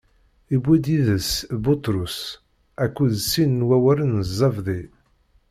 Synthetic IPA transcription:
ibːid̪iðəsbut̪ɾus | ækːuðəsːinːwæwæɾənəzˤːɑvðˤi

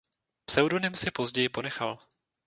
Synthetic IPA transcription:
psɛwdo̞nɪmsɪpo̞zɟɛjɪpo̞nɛxal

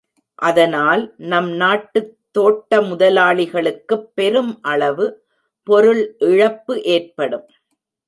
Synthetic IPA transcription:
ʔɐðɐnaːlnɐmnaːʈːɯt̪ːoːʈːɐmʊðɐlaːɭɪɣɐɭɯkːɯpːɛɾɯmʔɐɭɐʋɯ | pɔɾɯɭʔɪɻɐpːɯʔeːrpɐɽɯm

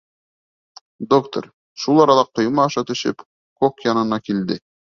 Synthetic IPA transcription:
d̪okt̪o̰ɾ | ʃulˠɑɾɑlˠɑqːŏjmɑːʃɑt̪ɵ̆ʃɘ̰p | kokjɑnɤ̆nɑkild̪ɘ

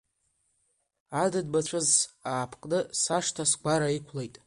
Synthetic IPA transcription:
adadbat͡ɕʷʰɨzaːpʰqʼnɨsaʂtʰasɡʷaɾaikʷʰlejtʼ

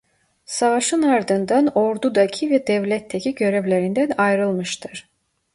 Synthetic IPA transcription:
savaʃɯnaɾd̪ɯnd̪ano̞ɾd̪ud̪acʰivɛd̪ɛvlʲɛt̪ʰːecʰiɟø̞ɾevlʲe̞ɾind̪ænajɾɯlˠmɯʃt̪ʰɯɾ̥

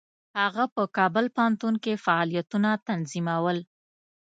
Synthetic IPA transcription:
haɣapəkɑbəlpant̪unkefaɑlijat̪unat̪anzimawəl

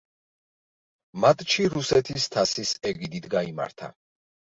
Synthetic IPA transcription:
mat̪ʰʼt͡ʃʰiɾusɛt̪ʰist̪ʰasisɛɡid̪it̪ʰɡaima̰ɾt̪ʰa̰

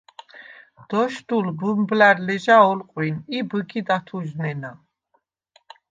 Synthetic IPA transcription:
d̪̥ɔʃd̪ulbumblaɾlɛʒaɔlqʼwinibəɡid̪at̪ʰuʒnɛna

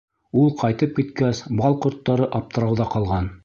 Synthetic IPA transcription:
ulˠqɑjt̪ɤp̚kit̪kæsbɑlˠqŏɾt̪ːɑɾɤʔɑp̚t̪ɤ̆ɾɑwðɑqɑlˠʁɑn

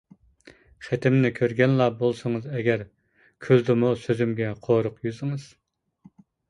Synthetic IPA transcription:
χɛt̪ʰɪmnɪkʲʰøɾɡʲɛnlˠɑbolˠsəŋɨzɛɡʲɛɾ | kʲʰøld̪ɪmusøzymɡʲɛqʰoɾʊqjyzɪŋɨz̥

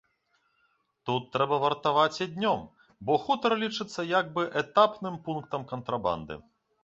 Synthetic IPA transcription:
t̪ut̪ːɾɛbɐvɐrt̪avat͡sʲad̪ʲnʲɔm | bɔxut̪ɐɾɐlʲit͡ʂɨt̪sːɐjaɡ̚bɨʔɛt̪apnɨmpunk̚t̪ɐmkɐnt̪ɾaba̰nd̪ɨ̰

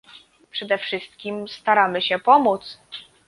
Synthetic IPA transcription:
pʂɛd̪ɛfʂɘst̪̚kʲimst̪aɾamɘɕɛpɔmut̪s

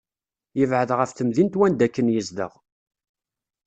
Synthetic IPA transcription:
jəvʕəðʁəfθəmðint̪wænd̪ækːənjəzðə̰ʁ

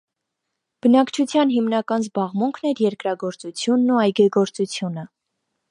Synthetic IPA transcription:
b̥ənɑkt͡ʃʰut͡sʰjɑnɦimnɑkɑnzbɑʁmuŋkʰnɛɾjɛɾkɾɑɡɔɾt͡sut͡sʰjunːuɑjɡɛɡɔɾt͡sut͡sʰjunə

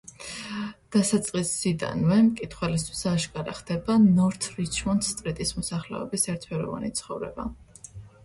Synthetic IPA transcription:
d̪̥asat̪sʼqʼisːid̪a̰nvɛmkʼit̪ʰχwɛlis̬t̪ʰwisaʃkʼaɾa̰χd̪ɛbanɔɾt̪ʰɾit͡ʃʰmɔnt̪st̪ʼɾit̪ʼismɔsaχlɛ̰ɔ̰bisɛɾt̪̚ʰpʰɛɾɔ̰va̰nit̪sʰχɔvɾɛ̰ba̰

